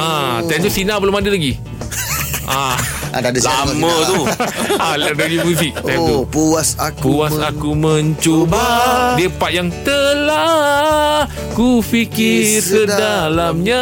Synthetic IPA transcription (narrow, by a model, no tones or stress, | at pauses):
at̪ant̪usinãpəlomadəlaɡi | a | dlamə̃t̪ualadəlimũsɪk̚t̪at̪upuasakpuasakuməɲt͡ʃobadiəpaʔ̚jaŋt̪əla | kufikɪrsədalamɲa